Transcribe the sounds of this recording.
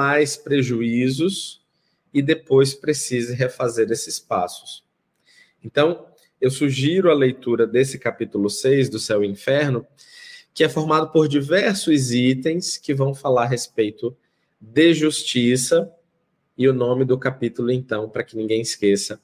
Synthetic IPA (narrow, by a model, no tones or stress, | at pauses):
majspɾeʒuizʊs | ɪd̪epojspɾesizɪɦefazeɾesɪspasʊ̥s | ẽnt̪ɐ̃w̃ | ewsuʒiɾʊɐlejt̪uɾɐd̪esɪkapit̪ulʊsejzd̪ʊsewĩfɛɾnʊ | kɪɛfoɾmad̪ʊpoɾd͡ʒivɛɾsʊzit̪ẽj̃skɪvɐ̃w̃falaɾɦespejt̪ʊ | d̪ɪʒust͡ʃisɐ | ɪʊnõmɪd̪ʊkapit̪ʊlʊẽnt̪ɐ̃w̃pɾɐkɪnĩɡẽj̃ɪskesɐ